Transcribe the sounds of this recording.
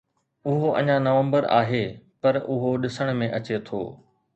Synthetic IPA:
ʊɦoʔɐ̰̃ɲãnɐʋə̃mbəɾa̰ːɦepɐɾʊɦoɗɪsəɽ̃mẽʔɐt͡ɕet̪ʰo̰ː

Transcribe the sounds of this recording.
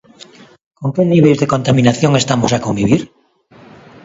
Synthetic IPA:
koŋkeniβejzðekont̪amĩnaθjoŋest̪amosakombiβiɾ

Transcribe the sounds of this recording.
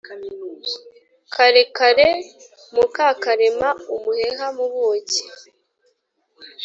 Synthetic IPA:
kʰaɾekaɾe | mukakaɾe̞maumuheŋamuβoce̥

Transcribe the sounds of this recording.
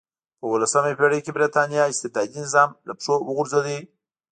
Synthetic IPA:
pəwəlasamepeɽəjkebɾit̪ɑnjɑɪst̪ɪd̪ɑd̪inɪzɑmlapʂowəɣʊɾzali

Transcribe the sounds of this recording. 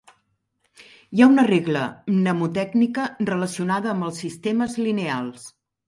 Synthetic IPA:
jaunəreɣlə̰nəmut̪ɛɡnikərələsiunaðəːmbəlˠsːist̪eməzlinealˠs

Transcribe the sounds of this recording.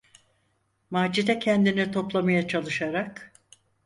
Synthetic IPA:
mad͡ʒid̪ɛcʰɛnd̪init̪ʰo̞plˠamajat͡ʃʰalˠɯʃaɾak

